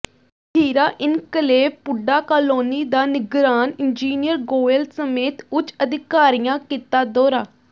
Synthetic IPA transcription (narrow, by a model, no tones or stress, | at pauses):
tʰiːɾaːʔɪnkəleːpʊɖaːkaːloːniːd̪aːnɪɡɾaːnɪnd͡ʒiːnɪjəɾɡoːelsəmeːt̪ʊt͡ʃəd̪ɪkaːɾijãːkit̪aːd̪oːɾaː